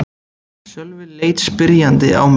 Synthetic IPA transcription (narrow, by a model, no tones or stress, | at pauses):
sjœlvɪnleːjt̪spɪɾjant̪ɪ̰ʔa̰wm